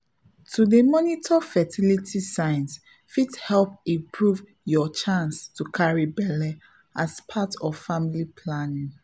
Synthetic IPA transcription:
tʰudəmɔnitʰɔfɛtʰilitʰisãɪ̃ns | fithɛlpĩmpʰɹuv | jɔt͡ʃãnstukʰaɹibɛlɛ | aspʰatɔvfamilipʰlanĩŋ

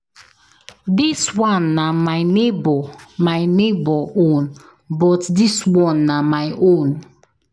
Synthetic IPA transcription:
diswɔ̃nːamajnebɔmajnebɔʔõn | bɔtdiswɔ̃nːamajʔõn

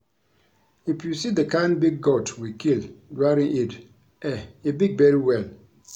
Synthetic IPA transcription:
ipjusidəkãnbiɡ̚ɡɔtwikildɹaɾĩŋʔit | ɛebiɡ̚bɛɾiwɛl

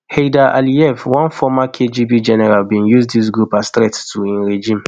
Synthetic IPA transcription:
hedaʔa̰liɛfwɔ̃nfɔmakʰed͡ʒibid͡ʒɛnɛɹalbĩnjuzdis̬ɡɹupastɹɛttʰuĩnɹed͡ʒĩm

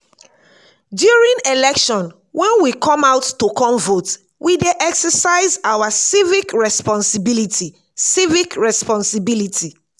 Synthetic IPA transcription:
djuɹĩŋelɛkʃɔ̃n | wʔɛ̃nwikʰɔ̃maʊtːokʰɔ̃mvot | wʔideʔɛksəsaɪzawasivikɹɛspɔ̃nsibilitʰi | sivikɹɛspɔ̃nsibilitʰi

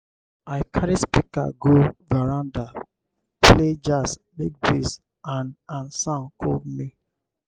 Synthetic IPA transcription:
aɪkʰaɾispika̰ɡovɛɹãnda | pled͡ʒaslik̚bis | ãnãnsãnkʰodmi

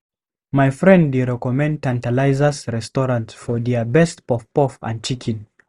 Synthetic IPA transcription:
majfɹɛ̃nddeɹɛkɔmɛ̃nd̚tãntalaɪzəsɹɛstɔɹãntsfɔðɛəbɛstpɔfpɔfã̰n̚t͡ʃikʰĩn

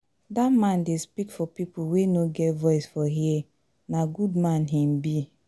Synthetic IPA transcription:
datmãndespikfɔpipuwenoɡɛtvɔɪsfɔɦie | naɡudmãnɦĩm̩bi

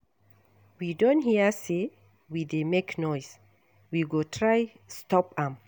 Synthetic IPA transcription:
widõnthiəse | widemeknɔjs | wiɡotʰɹaj | stɔpãm

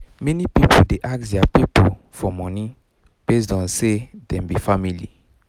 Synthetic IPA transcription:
menipipodeʔaksiapipo | fɔmɔni | pezdɔ̃sedɛ̃mbifamili

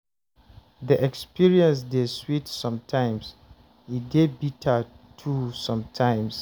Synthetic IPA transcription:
ðiʔɛkspʰiɹiɛ̃ns̬deswitsɔ̃mtʰãɪ̃ms | idebitʰa | tʰusɔ̃mtʰãɪ̃ms

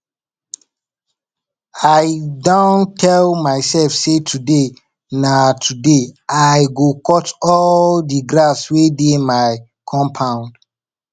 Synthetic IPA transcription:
aɪdãntʰɛlmaɪsɛlfsetʰude | natʰudeaɪɡokɔtɔldiɡɾaswedemaɪ | kʰɔ̃mpʰãʊ̃nd̥

